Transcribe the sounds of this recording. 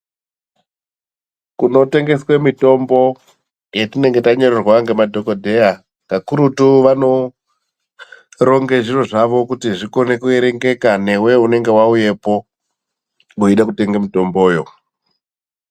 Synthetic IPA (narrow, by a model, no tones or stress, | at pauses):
kuno̞te̞ŋɡe̞swe̞mito̞mbo̞ | jetine̞ŋɡe̞taɲo̞ɾerwaŋɡe̞madʱo̞kodʱe̞a | kakuɾutuʋano̞ | ɾo̞ŋɡe̞ʐiro̞ʐaʋo̞kutiʐikonekue̞ɾe̞ŋɡe̞kane̞we̞une̞ŋɡe̞wauje̞po̞ | uiɗakute̞ŋɡemito̞mbo̞ːjo̞̰